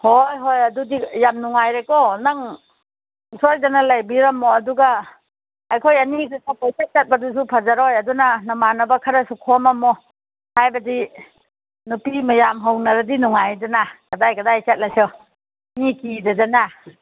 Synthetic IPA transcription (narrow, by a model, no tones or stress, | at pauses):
hojɦojadudijamnuŋajɾekɔnaŋ | sɔjdanalajbiɾamːɔːduɡaː | jkʰojanikʰasapajsat̚t͡ʃat̚badus̬upʰazaɾojadunanamanabakʰaɾasukʰɔmamɔ | hajbadi | nupimajamɦawnaɾadinuŋajdanaɡ̥adajɡadajsat̚lajsɔ | nikidad͡ʒana